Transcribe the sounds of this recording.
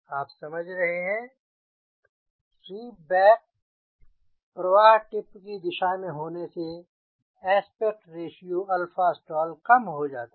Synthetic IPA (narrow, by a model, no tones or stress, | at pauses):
aːpsɐməd͡ʒʱɾɐɦeɦɛ̃ | siːbɛːk̚ | pɾɐʋaːɦʈɪpkid̪ɪʃamẽɦoːnese | ɛːspeːk̚ʈɾeːʃijuɐlfaːsʈɔːlkɐmɦod͡ʒaːt̪i